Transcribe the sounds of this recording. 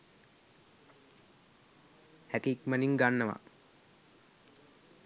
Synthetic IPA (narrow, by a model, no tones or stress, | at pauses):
hækikməniŋɡanːəʋa̰